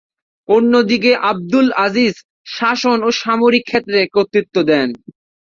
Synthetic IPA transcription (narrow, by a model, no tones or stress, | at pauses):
onːod̪ik̬eʔab̚d̪ulaziz | ʃaʃonoʃamoɾikʰːet̪ːɾekot̪ːɾit̪ːod̪ɛn